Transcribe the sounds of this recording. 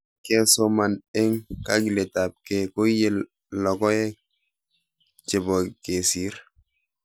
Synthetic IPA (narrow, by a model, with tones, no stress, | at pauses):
ke˦so˦ma˨ne˦ŋka˦ɡi˨le˨ta˨p̚ke˨ko˦je˦ | lɔ˨kɔ˦je˦ | t͡ʃe˨bɔ˨ke˨si˦ɾ